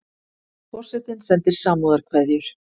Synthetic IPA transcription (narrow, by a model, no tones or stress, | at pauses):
fɔr̥sɛt̪ɪnsɛnt̪ɪɾ̥saːmuðaɾkʰvɛðjʏɾ̥